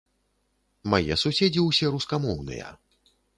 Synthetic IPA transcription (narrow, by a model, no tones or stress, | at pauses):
majɛ̰susʲed͡zʲiwsʲɛɾuskamɔwnɨ̰jɐ̰